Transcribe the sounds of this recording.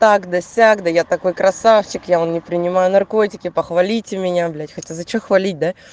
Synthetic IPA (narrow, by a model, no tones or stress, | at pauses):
t̪akd̪ɐsʲaɡd̪əjat̪ɐko̞jkɾɐsaft͡ɕɪkjaonnʲɪpɾʲɪnʲɪmajʊnɐrko̞tʲɪkʲɪpəxvɐlʲitʲɪmʲɪnʲablʲætʲxɐtʲazɐt͡ɕexvɐlʲit̚ʲd̪a